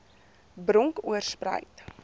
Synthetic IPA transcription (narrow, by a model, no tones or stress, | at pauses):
bɾɔŋkuərsprə̰jt